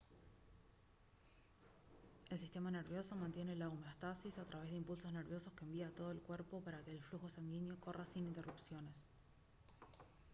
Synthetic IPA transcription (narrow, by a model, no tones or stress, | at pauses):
e̞lsist̪e̞mane̞ɾβjo̞so̞mãnt̪je̞ne̞lawmeost̪asisat̪ɾaβe̞zðe̞impulso̞zsne̞ɾβjo̞so̞skeːmbiat̪o̞ð̞o̞e̞lkwe̞ɾpo̞paɾake̞ːlfluxo̞saŋɡinjo̞ko̞rasinint̪erupsjo̞ne̞s